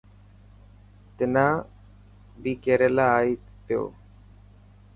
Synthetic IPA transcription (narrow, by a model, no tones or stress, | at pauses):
t̪ɪnãː | biːkeːɾelaːiː | pɪjo̰ː